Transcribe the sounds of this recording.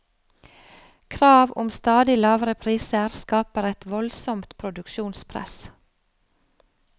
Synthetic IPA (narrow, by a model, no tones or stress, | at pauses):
kʰɾɑːʋʊ̰mst̪ɑːd̪ɪlɑːʋɾəpʰɾiːsəɾskɑːpəɾɛt̪ʋɔlsɔmt̪pʰɾʊd̪ʉkʃuːnspʰɾɛ̰s